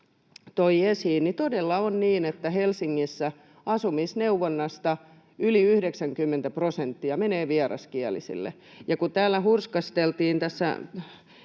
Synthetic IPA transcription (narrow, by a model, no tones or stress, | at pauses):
t̪oiesiːnnit̪odelːɑonniːnet̪ːæhelsiŋːisːæ | ɑsumisneuʋːonːɑst̪ɑ | yliyhdeksæŋkymːent̪æprosent̪ːiɑmeneːʋiɑrɑ̰skiælḭsḭlːḛ | jɑkut̪æːlːæhurskɑst̪elt̪iːnt̪æsːæ̰